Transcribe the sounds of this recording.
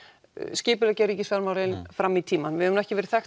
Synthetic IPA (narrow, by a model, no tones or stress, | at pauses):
scɪːpʏlɛcaɾiːcɪsfɛɾmawɾejnfɾamːit̪ʰiːmanvɪhœɛmnɛhcɪvɛːɾɪ̥θɛx